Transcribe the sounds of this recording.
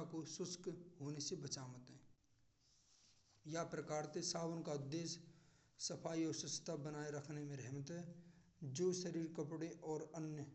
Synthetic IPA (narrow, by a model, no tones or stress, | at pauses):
akosʊskɦoːnesebət͡ʃaːmət̪ɦɛ̃ː | japɾəkaːɾt̪esaːwənkad̪eːs | səpʰaːiɔːɾsʊst̪ʰabənaːeɾəkʰnemẽɾɛɦmət̪ɦɛ | d͡ʒoːʃəɾiːɾkəpɽeʔɔːɾənjə